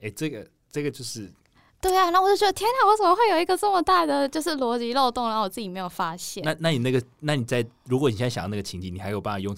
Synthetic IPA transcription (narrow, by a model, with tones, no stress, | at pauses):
e˥˩ɪʈ͡ʂɤ˥˩ɡə˩ | ʈ͡ʂə˥˩ɡə˩t͡ɕjo˥˧ʊʂɻ̩˥˩ | t̪we˥˩ɪa˩na˥˩ŋwt͡ɕo˥ʊt͡ɕʲɥɛ˧˥d̪ə˧t̪ʰjɛ˥nt̪ʰɑ˨˥ŋwɔ˧˥ʂə˨˩mə˧˦xwe˥˩ɪjo˨˩ʊi˧ɡə˧ʈ͡ʂə˥˩mə˩t̪a˥˩d̪ə˩t͡ɕjo˥˧ʊʂɻ̩˥˩lwɔ˧˥t͡ɕi˧˥lo˥˧ʊt̪ʊ˥˧ŋɻa˧˥ŋwɔ˨˩t͡sɹ̩˥˩t͡ɕi˨˩me˧˥ɪjo˨˩fa˥ɕjɛ˥˨na˥˨na˥˩ni˨˩na˥˩ɡə˩na˥˩ni˨˩t͡sa˥˩ɪɻu˧˥kwɔ˦ni˨˩ɕjŋɕjɑ̰˨˩ŋ˦na˥˩ɡə˩t͡ɕʰi˧˥ŋt͡ɕʰi˨˩ni˨˩a˧˥jpɑ˥˧na˨˩jʊ˥˧ŋ